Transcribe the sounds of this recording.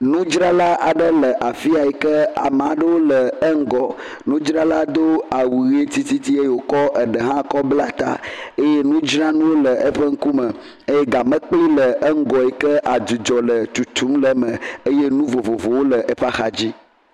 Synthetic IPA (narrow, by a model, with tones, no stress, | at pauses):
nũ˦d͡ʒɾa˦la˦ʔa˨ɖə˦lə˨ʔa˨fi˦a˨ɛ˨kə˦a̰˨mə˨a˨ɖə˦wo˦lə˨ə˦ŋ̩˦ɡɔ˨ | nũ˦d͡ʒɾa˦la˦d̪o˦a˨wu˨ɣe˦t̪i˦t̪i˦t̪i˦e˦je˨wo˨kɔ˦ʔə˨ɖə˨ɦã˦kɔ˦bla˦t̪a̰˦e˦je˦nũ˦d͡ʒɾa˦nũ˦wo˦lə˨ʔə˦ɸə˦ŋ̩˦ku˦mə˨ | e˦je˦ɡa˨mə̃˦k͡pli˦lə˨ə˦ŋ̩˦ɡɔ˨ɛ˨kə˦ʔa˨d̪u˨d͡ʒɔ˨lə˨t̪u˨t̪ʰu˨˦mlə˨mə̃˨e˦je˦nũ˦vo˨vo˨vo˨wo˦lə˨ʔe˦ɸa˦xa˨d͡ʑi˦